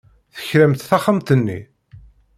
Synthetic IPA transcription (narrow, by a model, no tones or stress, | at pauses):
θə̥çɾəmt̪θæχəmt̪ənːḭ